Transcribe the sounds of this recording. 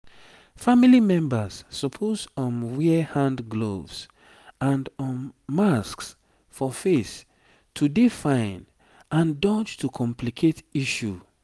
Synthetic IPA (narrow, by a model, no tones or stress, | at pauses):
familimɛ̃mbasːɔpʰosɔ̃nwɛhãndɡlo̰vs | ãndɔ̃nːasks | fɔfes | tʰudifãɪ̃n | ãndɔt͡ʃtukʰɔ̃mplikʰetiʃu